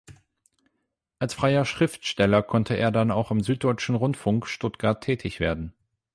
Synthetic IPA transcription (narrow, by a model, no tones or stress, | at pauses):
ʔalsfʁ̥aɪɐʃʁ̥ɪftʃtɛlɐkʰɔntʰəʔḛːɐdanaʊxamzyːt̚d̥ɔʏt͡ʃn̩ʁʊntfʊŋkʃtʊtɡ̥aɐtʰːɛːtʰɪçv̥ḛːɐdn̩